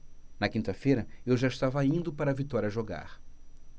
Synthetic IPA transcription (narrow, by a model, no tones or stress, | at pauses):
nɐkĩnt̪ɐfejɾɐewʒaiʃt̪avɐaĩnd̪ʊpaɾɐvit̪ɔɾiɐʒoɡa̰ɾ